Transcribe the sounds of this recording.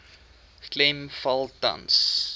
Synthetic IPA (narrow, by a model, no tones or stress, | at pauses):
klɛmfɐlˠtɐ̰ns